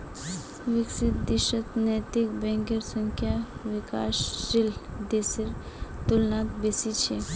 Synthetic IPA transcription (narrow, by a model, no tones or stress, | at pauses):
ʋɪksɪt̪̚d̪ɪʃət̪nɛːt̪ik̚bɛ̃ŋkəɾsə̃ŋkʰjaʋɪka̰ːʃɾild̪esiɾ | t̪ulnaːt̪besit͡ʃʰe